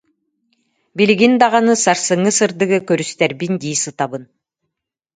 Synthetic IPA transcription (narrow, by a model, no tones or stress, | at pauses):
biliɡind̪aʁanɯsaɾsɯŋːɯsɯɾd̪ɯɡɯkœɾyst̪ɛɾbind̪iːsɯt̪abɯn